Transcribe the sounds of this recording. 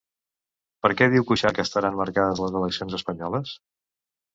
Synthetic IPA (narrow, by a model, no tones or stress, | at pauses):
pəɾkɛðiwkuʃakəst̪əɾanməɾkaðəzləzələksionzəspəɲɔləs